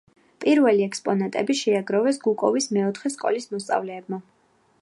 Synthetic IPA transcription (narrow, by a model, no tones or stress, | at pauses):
pʼiɾvɛliɛkspʼɔnat̪ʼɛbiʃɛaɡɾɔvɛsɡukʼɔvismɛɔt̪ʰχɛskʼɔ̰lismɔst̪sʼa̰vlɛːbma